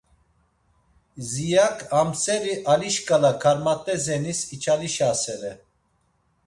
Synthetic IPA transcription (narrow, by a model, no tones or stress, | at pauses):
zijakʰamsɛɾiʔaliʃkʼalakʰaɾmat̪ʼɛzɛnisit͡ʃʰaliʃasɛɾɛ